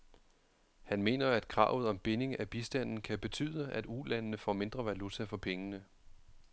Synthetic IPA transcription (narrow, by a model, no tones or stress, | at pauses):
hænme̝̰ːnɐæd̥kʰʁɑ̈ːʊ̰ð̩ˠɒ̽mb̥e̝ne̝ŋæb̥isd̥æn̰n̩kʰæb̥e̝t͡sʰy̰ːðˠəʔæd̥ulænnəfɒ̰ːme̝nd̥ʁɐʋælut͡sʰæfɒ̽pʰeŋənə